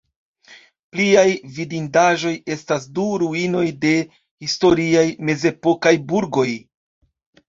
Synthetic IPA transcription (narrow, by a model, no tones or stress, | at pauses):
pliajvidindaʒo̞je̞stas̬duɾuino̞jde̞ | histo̞ɾiajme̞ze̞po̞kajbuɾɡo̞j